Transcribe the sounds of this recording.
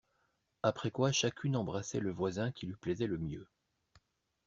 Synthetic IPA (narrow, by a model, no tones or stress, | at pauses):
apχɛkwaʃakʲʰynɑ̃bʁasɛ̰ləvwazɛ̃kʲilɥiplɛzɛləmjø